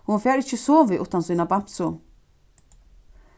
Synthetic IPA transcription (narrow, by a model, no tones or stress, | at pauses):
hʊnfeːɾɪçəsoːʋəʔʉ̰ːt̪ansiːnabamsʊ